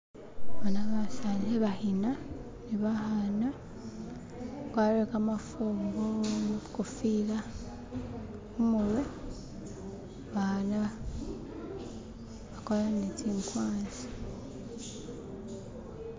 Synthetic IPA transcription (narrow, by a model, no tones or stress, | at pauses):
βanaβasaleβahina | niβahana | kwaɾekamafuːŋɡomukofila | umulwe | βaana | βakolanetiːŋkwaːnzi̥